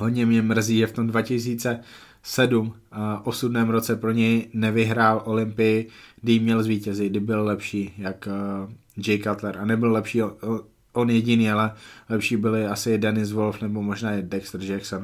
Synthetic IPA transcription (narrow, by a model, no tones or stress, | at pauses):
ɦodɲɛmɲɛmr̩ziːʒɛft̪o̞mdvacɪs̬iːt͡sɛ | sɛdum | ʔo̞sudnɛːmɾo̞t͡sɛpɾo̞ɲɛjnɛvɪɦɾaːlʔo̞lɪmpɪjɪɡdɪjmɲɛlzviːcɛzɪɡdɪbɪllɛpʃiːjak | d͡ʒɛjkat̪lɛɾʔanɛbɪllɛpʃiː | ʔonjɛɟɪniːalɛlɛpʃiːbɪlɪasɪdɛnɪs̬vo̞lfnɛbo̞mo̞ʒnaːɪdɛkst̪r̩ʒɛkson